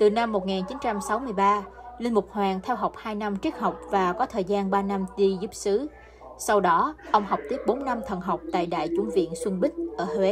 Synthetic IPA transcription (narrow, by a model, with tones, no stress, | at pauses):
t̪ɨ˨˩na˧mːo˨˩t̚ŋaː˨˩nt͡ɕi˨˦nt͡ɕa˧msa˨˦wmɨ˧əjɓaː˧ | li˧nmʊ˨˩k͡p̚hwaː˨˩ŋt̪ʰɛ˧wɦa˨˩wk͡p̚haː˧jna˧mt͡ɕi˦˥ək̚ha˨˩wk͡p̚vaː˨˩kɔ˨˦t̪ʰəː˨˩jzaː˧nɓaː˧na˧mɗi˧zu˦˥p̚sɨ˨˦ | sa˧wɗɔ˨˦ʔə˧wŋ͡mha˨˩wk͡p̚t̪i˦˥əp̚ɓo˨˦nːa˧mt̪ʰə˨˩nɦa˨˩wk͡p̚t̪a̰ː˧˨jɗa̰ː˧˨jt͡ɕʊ˨˧˦ŋ͡mvḭ˧˨ənswi˧nɓï˦˥ŋ̟̚ʔəː˧˩hwe˨˦